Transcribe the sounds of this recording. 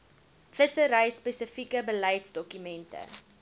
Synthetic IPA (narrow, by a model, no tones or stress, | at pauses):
fəsəɾəjspesəfikəbəlɐjtsdɔkymɛntə̰